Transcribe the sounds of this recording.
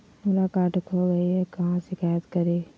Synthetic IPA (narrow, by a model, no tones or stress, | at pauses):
mʊlaːkaːʈkʰoɡɐiɦɛkɐɦãʃɪkaːjət̪kəɾeː